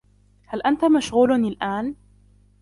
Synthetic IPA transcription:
halʔant̪amaʃɣuːlnɪlʔaːn

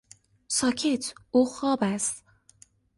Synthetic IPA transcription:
sɒːcʰet̪ʰuːxɒːbæst̪

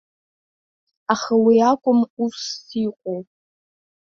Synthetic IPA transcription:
aχawiakʷʼʊmusːiqʷʼow

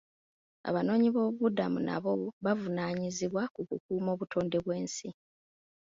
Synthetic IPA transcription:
a̰βano̞ːɲiβo̞ːβuβudamṵna̰βo̞βavunaːɲiziβwakukukuːmo̞ːβutʰo̞ːnde̞βwe̞ːnsi

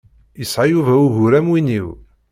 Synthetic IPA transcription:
jəsʕajuvæuʝʊɾæmwiniw

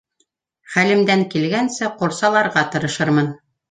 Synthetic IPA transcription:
χælɘ̆md̪æŋkilɡænsɘqŏɾˠsɑlˠɑɾʁɑt̪ɤ̆ɾɤ̆ʃɤɾmɤn

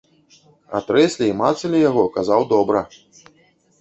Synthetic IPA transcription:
a̰t̪ɾɛsʲlʲiimat̪sɐlʲijaɣɔkazawd̪ɔbɾɐ

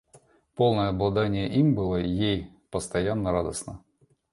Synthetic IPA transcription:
po̞lˠnəjəɐblˠɐd̪anʲɪjəʔimbɨlˠəjej | pəst̪ɐjanːəɾad̪əsnə

